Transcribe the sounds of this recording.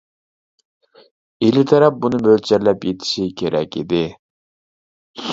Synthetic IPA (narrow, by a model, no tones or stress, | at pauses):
ilɪt̪ʰɛɾɛp̚bunɨbølt͡ʃʰɛɾlɛpjet̪ʰɪ̥ʃikʲʰeɾɛkʲid̪ɪ